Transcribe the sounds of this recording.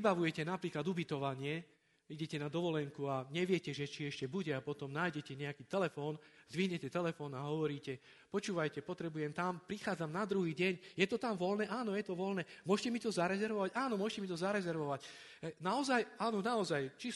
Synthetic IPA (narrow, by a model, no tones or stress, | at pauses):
baʋujɛcɛnapɾiːklad̪ubit̪ɔʋaɲɪɛ | iɟɛcɛnad̪ɔʋɔlɛŋkuaɲɛʋɪɛcɛʒɛt͡ʃiɛʃcɛbuɟɛapɔt̪ɔmnaːjɟɛcɛɲɛakiːt̪ɛlɛfɔːnz̥ʋiɦɲɛcɛt̪ɛlɛfɔːnaɦɔʋɔɾiːcɛ | pɔt͡ʃuːʋajcɛpɔt̪ɾɛbujɛmt̪ampɾixaːd͡zamnad̪ɾuɦiːɟɛɲjɛt̪ɔt̪amʋɔlnɛʔaːnɔjɛt̪ɔʋɔlnɛːmʊɔʃcɛmit̪ɔzaɾɛzɛɾʋɔʋaɟaːnɔmʊɔʃcɛmit̪ɔzaɾɛzɛɾʋɔʋac | naɔzajaːnɔnaɔzajt͡ʃi